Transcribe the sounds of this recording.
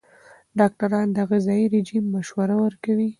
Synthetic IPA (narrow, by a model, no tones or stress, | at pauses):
ɖɑk̚ʈaɾɑnd̪əɣɪzɑjiɾed͡ʒimːaʃwaɾawəɾkawi